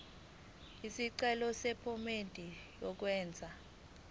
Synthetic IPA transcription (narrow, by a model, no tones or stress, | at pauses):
isiǀɛlɔsɛpʰɔmendʼʱijɔk̬wɛːnd͡zʱa